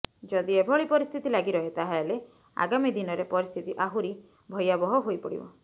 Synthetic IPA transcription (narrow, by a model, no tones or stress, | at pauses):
d͡ʒɔd̪iebʱɔɭipɔɾist̪ʰit̪ilaɡiɾɔɦet̪aɦale | a̰ɡamid̪inɔɾepɔɾist̪ʰit̪iʔaɦuɾi | bʱɔjabɔɦɔɦojpɔɽḭbɔ̰